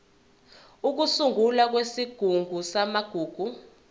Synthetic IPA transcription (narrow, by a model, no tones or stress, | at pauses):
uk̬usuŋɡulak̬wesiɡ̥ʱuŋɡʱusamaɡ̥ʱuːɡ̥ʱu